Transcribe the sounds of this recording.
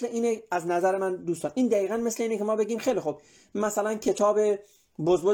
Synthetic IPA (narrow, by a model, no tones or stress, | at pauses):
sleiːneæznæzæɾemænd̪uːst̪ɒːnʔiːnd̪æiːɣænmesleiːnekʰemɒːbe̞ɡʲiːmxejlixub̥ | mæsælæncʰe̞t̪ʰɒːbe̞ | bozbo